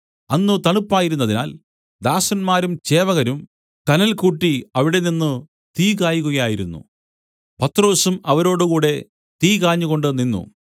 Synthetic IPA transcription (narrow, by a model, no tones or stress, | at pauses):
ɐnːut̪ɐɳupːaːjiɾunːɐðina̰ːl | d̪aːsɐnmaːɾumt͡ɕe̞ːʋɐɣɐɾum | kɐnɐlkuːʈːiɐʋiɽe̞ninːɨ | t̪iːkaːjuɣuɣɐjaːjiɾṵnːṵ | pɐt̪ːro̞ːsumɐʋɐɾo̞ːɽukuːɽe̞ | t̪iːkaːɲːuɣo̞ɳɖɨninːṵ